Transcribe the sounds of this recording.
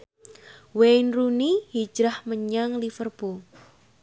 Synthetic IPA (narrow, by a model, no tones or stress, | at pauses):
weɪnrunihi̥d͡ʒ̥ɾahməɲaŋlifərb̥o